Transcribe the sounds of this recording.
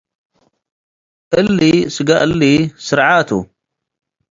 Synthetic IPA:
ʔəlːisɨɡaʔəlːisɨɾʕaːt̪ṵ

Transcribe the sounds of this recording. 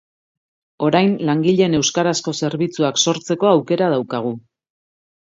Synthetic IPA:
o̞ɾajnlaŋɡiʎe̞ne̞wskaɾasko̞se̞ɾβit͡suakso̞ɾt͡se̞ko̞awke̞ɾað̞awkaɣ̞u

